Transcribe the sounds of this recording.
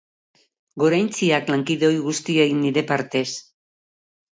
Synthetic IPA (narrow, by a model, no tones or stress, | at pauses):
ɡo̞ɾajnt͡siaklaŋkiðeo̞jɣust̪ieɣinːiɾe̞paɾt̪e̞s